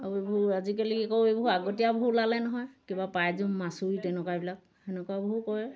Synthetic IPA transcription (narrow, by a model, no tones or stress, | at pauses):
aebɦuazikelikikɔejboɦuaɡɔtijabɦulalɛnɔɦɔjkibapajzumːasuitɛnɛkabilak̚ | ɛnɛkɔabɔɦukɔɛ